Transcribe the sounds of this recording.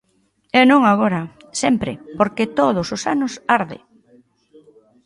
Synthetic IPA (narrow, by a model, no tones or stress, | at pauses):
enõŋaɣoɾɐ | sɛmpɾɪ̰poɾket̪oð̞ʊsʊsanʊsaɾðɪ̰